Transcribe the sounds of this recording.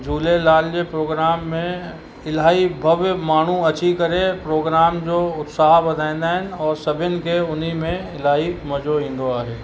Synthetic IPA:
d͡ʒuːlelaːljepɾoːɡɾaːmːẽ | ɪlaːibʱɐʋjəmaːɳ̤ũɐt͡ʃʰikəɾepɾoːɡɾaːmd͡ʒoːʊt̪saːɦabɐd̪ʱãɪ̃nd̪aɦɛnɔːɾsɐbɪnkeʊnimẽɪlaːimɐd͡ʒoɦɪ̃nd̪oaːɦeː

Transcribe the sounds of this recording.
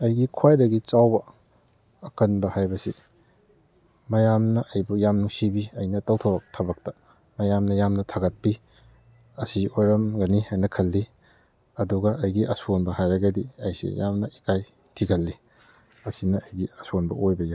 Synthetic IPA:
ɐjɡikʰwajdɐɡit͡ʃawbɐ | ɐkɐnbɐhajbɐsi | mɐjamnɐʔɐjbujamnuŋsibiɐjnɐtɐwtʰɐbɐk̚tʰɐbɐk̚tɐ | mɐjamnɐjamnɐtʰaɡɐt̚pi | ɐsiojɾɐmɡɐniajnɐkʰɐlːi | ɐduɡɐʔɐjɡiʔɐsonbɐhajɾɐɡɐdiɐjsḭjamnɐikaj | tʰiɡʰɐlːi | ɐsinɐɐjɡiɐsonbɐ̰ojbɐɡa

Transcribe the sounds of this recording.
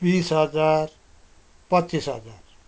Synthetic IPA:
bisɦʌd͡zar | pʌtt͡sisɦʌd͡zar

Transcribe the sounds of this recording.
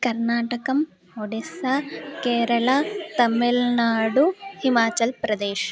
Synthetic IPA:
kɐɾnaːʈɐkɐm | oɖesɐkeːɾɐɭɐt̪ɐmːilnaːɖuhimaːt͡ʃɐlpɾɐd̪ɛːʃ

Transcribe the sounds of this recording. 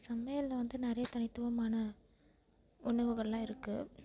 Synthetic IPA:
sɐmɐjɐlːɐʋɐnd̪ɯnɪɾɐjɐt̪ɐɳɪt̪ːɯʋɐmaːnɐ | ʊɳːɐʋɯɣɐɭɪlãːɪɾɯkːɯ

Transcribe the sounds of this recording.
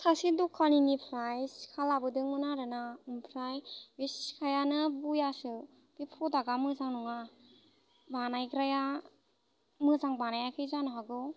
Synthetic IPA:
sʰasidukʰːaninipʰɾajsi̥kʰalabɯdɯŋmɯnaɾɯnaɯmpʰɾajbesi̥skʰajanɯbujasɯ | b̥ipʰɾɔdaɡamɯzaŋnuŋa | banajɡɾaja | mɯzaŋbanajakʰɯjzanɯɦaɡɯ

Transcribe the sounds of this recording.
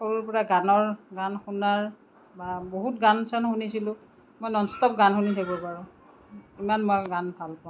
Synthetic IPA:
soɹuɹpɔɹaɡanɔɹɡanxunaɹ | baboɦutɡansanxunisilʊ̃ | mojnɔnstɔp̚ɡanxunitʰakbɔpaɹʊ̃ | imanmɔjɡanbʱalpã

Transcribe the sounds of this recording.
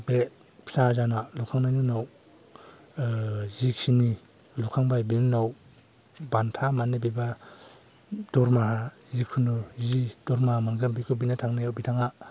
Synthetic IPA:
be | pʰilazanalukʰaŋnajnunaw | zikʰini | lukʰaŋbajbinunaw | bantʰamanibiba | d̥ɔɾmaɦazikʰunuzid̥ɔɾmahamanɡambikʰubinatʰaŋnajawbitʰaŋa

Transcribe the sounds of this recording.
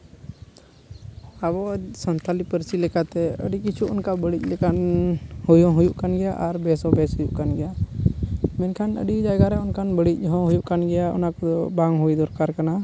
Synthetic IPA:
aβɔsɔnt̪ʰalipəɾsilɛkat̪ɛəɖikit͡ʃʰuʔɔnkabəɽic̚ˀlɛkanhujɔ̃ɦujuʔkanɡɛjaʔaɾbɛsɔbɛshujuʔkanɡɛja | mɛnkʰanə̰ɖid͡ʒaɡaɾɛɔnkanbəɽic̚ˀɦɔ̃ɦujuʔkanɡɛjaɔ̰nakɔd̪ɔbaŋɦujd̪ɔɾkaɾkana

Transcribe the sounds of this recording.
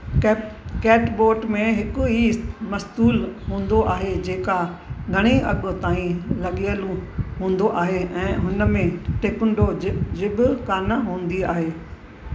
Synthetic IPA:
kɛːʈboːʈmẽɦɪkʊimɐst̪uːlɦũːn̆d̪oʔaːɦed͡ʑeːkaɡʱɐɽ̃iɐɠʊ̆t̪aːĩlɐɠiəlũɦũːnd̪oʔaːɦeɛ̃ːɦʊnə̆mẽʈeːkʊɳɖod͡ʑɪɓʊkaːnaɦũːnd̪iaːɦeː

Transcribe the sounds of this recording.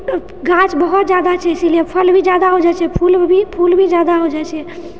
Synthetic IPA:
ɡat͡ʃbəɦut̪̚d͡ʒjad̪at͡ʃʰɛisiliepʰəlbʱid͡ʒad̪aɦod͡ʒɛt͡ʃʰɛpʰulbʱipʰulbʱid͡ʒad̪aɦod͡ʒɛt͡ʃʰɛ

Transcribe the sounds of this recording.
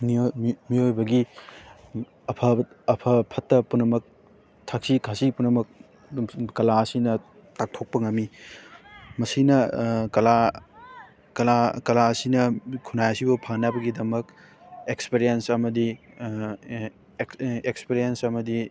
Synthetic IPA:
mimiojbɐɡi | ɐpʰɐ | ɐpʰɐpʰɐtːɐpunːɐmɐk̚ | tʰak̚sikʰasipunɐmɐk̚ | kɐlaɐsinɐ | tak̚tʰok̚pɐŋɐmːi | mɐsinɐkɐla | kɐlakɐlaɐsinɐkʰunajɐsibɐpʰanabɐɡidɐmɐk | ekspiɾijensɐmɐdi | ekspiɾijensɐmɐdi

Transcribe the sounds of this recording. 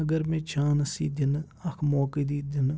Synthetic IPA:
əɡəɾmɛ̃ːt͡ʃaːnɐsiːd̪ɪn | ɐkʰmoːkid̪iːd̪ɪn

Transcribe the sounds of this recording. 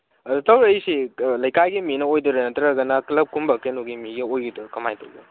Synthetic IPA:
ɐdutɐwɾejsilɐjkajɡiminɐojduɾɐnɐtɐɾɐɡɐnɐklɐp̚kʰumbɐkenuɡimiɡiojɡidukɐmajtɐwdu

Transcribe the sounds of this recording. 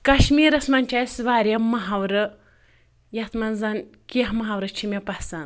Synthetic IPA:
kɐʃmiːɾɐsmɐnʲt͡ʃasʋaːɾʲjɐmɐɦawɾɐ | jɐt̪ʰmɐnzan | kiɦmɐɦawɾɐt͡ʃʰimʲɐpɐhsan

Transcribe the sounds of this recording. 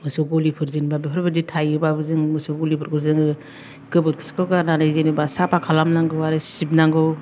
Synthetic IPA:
mɯsɔɡɔlipʰɯɾzinbabipʰɯɾbɯditʰajɯbabɯzɯŋmɯsɔɡɔlipʰɯɾkʰɯɾzɯŋɯ | ɡɯbɯt̚kʰɯ̥skɯɡananajzenibasapʰakʰalamnaŋɡɯwaɾɯsip̚naŋɡɯw

